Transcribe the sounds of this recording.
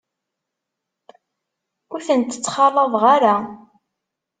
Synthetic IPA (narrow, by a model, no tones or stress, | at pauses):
ʊɾθənt̪ə̥t͡sːχɑlˤːɑðˤʁaɾa